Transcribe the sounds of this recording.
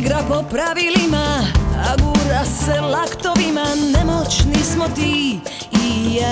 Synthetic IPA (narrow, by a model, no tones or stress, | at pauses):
ɡɾapɔpɾaʋilimaaɡuɾasɛlakt̪ɔʋimanɛmɔt͡ʃnismɔt̪i | ija